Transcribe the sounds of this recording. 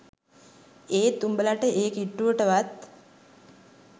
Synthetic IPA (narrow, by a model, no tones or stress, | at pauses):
eːt̪umbəlaʈəʔeːkiʈːuʋəʈəʋat̪